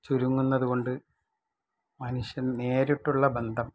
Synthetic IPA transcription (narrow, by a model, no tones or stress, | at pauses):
t͡ɕuɾuŋːunːɐðuɣo̞ɳɖɨ | mɐnuɕjɐnne̞ːɾiʈːuɭːɐbend̪ʱɐm